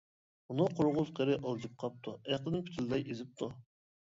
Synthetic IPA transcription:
unuqʰʊɾʁʊzqʰeɾɪʔɑlˠd͡ʒip̚qʰɑp̚t̪ʰuæqɨnɪmpʰt̪ʰɪld̪ɑjʔezɪp̚t̪ʰu

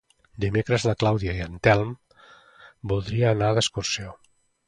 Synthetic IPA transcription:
d̪imekɾəzðəklawðiaiənt̪ɛlˠm | bulˠd̪ɾiəːnaðəskuɾsio

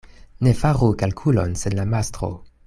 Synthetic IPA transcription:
ne̞faʁukalkʰulo̞nse̞nlamastɾo̰

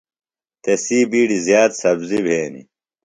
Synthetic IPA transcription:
t̪esiːbiːɽizjaːt̪sɐbzibʱeːnḭ

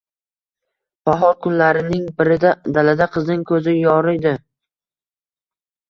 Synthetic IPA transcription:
baɦɒlkʰʊnlaɾɪnɪŋbɪɾɪd̪ad̪alad̪aqʰɨznɪŋkʰɵzɪjɒɾɪjd̪ɪ

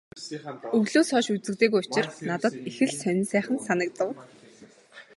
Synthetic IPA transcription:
ɵɣɮoːsɔːʃut͡sɘ̆kt̪eːɣujʊt͡ɕɪ̆rnat̪ə̆t̪ixɘ̆ɮsœn̆ʲnsæːχə̆nsanə̆k̚t̪ə̆w

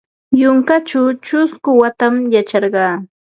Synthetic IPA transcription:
jʊŋkat͡ʃawt͡ʃʊskʊwat̪amjat͡ʃɑɾɢɑː

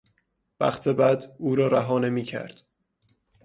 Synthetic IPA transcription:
bæ̰χt̪ʰebæd̪uːɾɒːɾæɦɒːne̞miːcʰæ̰ɾd̪̥

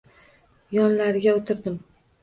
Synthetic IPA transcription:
jɒnlaɾɡʲaot̪ʰɪɾd̪ɪm

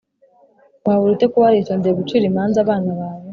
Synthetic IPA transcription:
βaβuɾutekuβaɾitondeβut͡ʃiɾimaːnzaβaːnaβaːβo

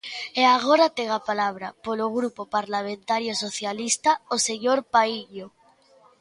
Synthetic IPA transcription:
eaɣ̞oɾat̪eɣ̞apalaβ̞ɾapoloɣɾupopaɾlamẽnt̪aɾjosoθjalist̪aoseɲoɾpaiʎo

